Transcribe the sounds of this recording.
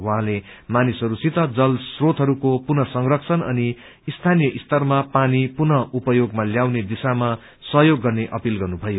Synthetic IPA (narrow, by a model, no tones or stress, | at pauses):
wuɦãle | manisʌɾusit̪ʌd͡zʌlsrot̪ɦʌɾukopunʌsʌŋrʌksʰʌnʌ̰niː | st̪ʰanijʌʔist̪ʌrmapanipunʌupʌjoɡmaljawned̪isama | sʌɦjoɡːʌrneʔʌpilɡʌrnubʱʌjo